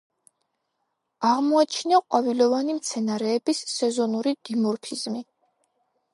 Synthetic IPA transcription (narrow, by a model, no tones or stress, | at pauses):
aʁmɔat͡ʃʰniaqʼwavilɔvanimt̪sʰɛnaɾɛːbisːɛzɔnuɾid̪̥imɔɾpʰizmi